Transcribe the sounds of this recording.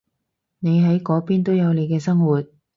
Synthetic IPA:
ne˨˧jɦɐ˨˥jkɔː˨˥piː˥nt̪o˥wjɐ˨˧wne˨˧jkɛː˧sɐ˥ŋwuː˨˩t̚

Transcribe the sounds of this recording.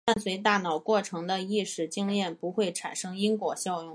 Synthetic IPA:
t̪a˥˩nswe˧˥ɪt̪̬a˥˩nɑ˨˩ʊkwɔ˥˩ʈ͡ʂʰɤ˧˥ŋd̪ə˧i˥˧ʂɻ̩˨˩t͡ɕi˥ŋljɛ˥˩npu˧˥xwe˥˩ɪʈ͡ʂʰa̰˨˩nʂɤ˥ŋi˥ŋkwɔ˨˩ɕjɑ˥˧ʊjʊ˥˩ŋ

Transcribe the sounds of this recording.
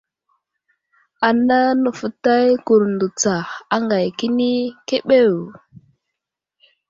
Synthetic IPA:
a˨na˦nə˨fə˨ta˦jku˨ɾndu˨t͡sa˨a˦ŋɡa˨jki˦ni˦ke˦ɓe˦˨w

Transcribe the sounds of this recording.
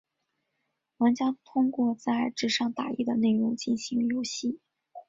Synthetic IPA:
wə˧˥nt͡ɕjɑ˥ŋt̪ʰʊ˥ŋkwɔ˥˧t͡sa˥˧ɪʈ͡ʂɻ̩˥˩ʂɑ˥˩ŋt̪a˨˩ḭ˥˩d̪ə˩ne˥˩ɪɻʊ˧˥ŋt͡ɕi˥˩nɕi˧˥ŋjo˧˥ʊɕi˥˩

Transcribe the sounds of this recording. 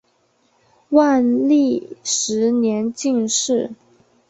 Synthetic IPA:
wa˥˧nli˥˩ʂɻ̩˧˥njɛ˧˥nt͡ɕi˥˧ŋʂɻ̩˥˩

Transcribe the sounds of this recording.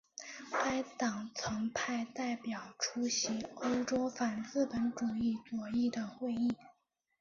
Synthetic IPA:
ka˥ɪt̪ɑ˨˩ŋt͡sʰɤ˧˥ŋpʰa˥˧ɪt̪a˥˩ɪpjɑ˨˩ʊʈ͡ʂʰu˥ɕi˧˥o˥ʊʈ͡ʂo˥ʊfa˨˩nt͡sɹ̩˥˩pə˧˥nʈ͡ʂu˨˩i˥˩t͡swɔ˨˩i˥˩d̪ə˩xwe˥˧ɪi˥˩

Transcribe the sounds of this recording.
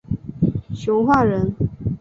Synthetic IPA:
ɕjo˧˦ʊxwa˥˨ɻə˨˦n

